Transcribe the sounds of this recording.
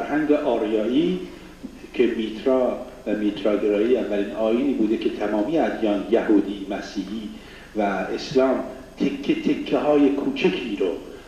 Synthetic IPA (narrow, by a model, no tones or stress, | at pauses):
ɾhæŋɟeʔɒːɾjɒːiː | cʰe̞miːt̪ʰɾɒː | væmiːt̪ʰɾɒːɡeɾɒːiːævːæliːnɒːjiniːbuːd̪ekʰe̞t̪ʰæmɒːmijeæd̪jɒːnjæhuːd̪iːmæsiːhiː | væeslɒːm | t̪ʰekʰːet̪ʰekʰːeɦɒːje̞kʰuːt͡ʃʰekʰiːɾo